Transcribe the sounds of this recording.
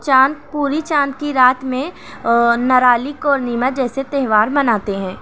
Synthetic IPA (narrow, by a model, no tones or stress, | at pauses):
t͡ʃaːnpuːɾit͡ʃaːnkiɾaːt̪mẽ | nɐɾaːlikɔːɾnimətd͡ʒɛːset̪ɛɦʋaːɾmɐnaːt̪eɦɛ̃ː